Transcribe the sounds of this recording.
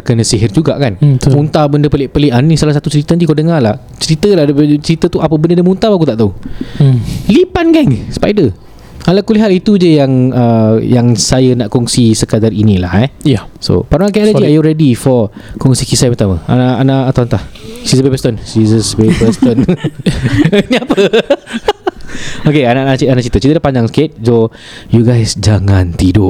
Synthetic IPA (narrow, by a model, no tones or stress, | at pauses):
kənəsiɦɪrd͡ʒuɡa̰ʔkanmunt̪abəndəpəliʔpəliʔannĩsalahsat̪ut͡ʃəɾit̪ənd̪ikodəŋalah | t͡ʃəɾit̪ədadəbət͡ʃəɾit̪ət̪uʔapəbəndədəmunt̪abakut̪aʔt̪au | lipanɡɛŋspa̰jdə | alakuliɦat̪it̪ud͡ʒəjaŋəjaŋsajanaʔkɔŋsisəkadarinĩla̰hɛso̰paɾaakɛləiajuɾɛdifɔ | kɔŋsikisajpəɾt̪amãa̰naʔʔanaʔat̪awant̪ahsizəbebəst̪onsizəsbebɛst̪on | niapə | okeanaʔat͡ʃianaʔt͡ʃit̪ət͡ʃit̪ədapaɲd͡ʒaŋsə̥ket̪̚d͡ʒo | juɡajsd͡ʒaŋãnt̪idʊʔ